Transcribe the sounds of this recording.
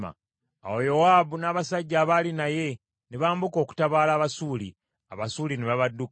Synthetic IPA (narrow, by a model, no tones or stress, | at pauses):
a̰ | a̰wojo̞waːbunaːβasaɟːaːβalinaje̞ | neβaːmbuko̞ːku̥taβaːlaːβasuːli | aβasuːlineβaβadːuk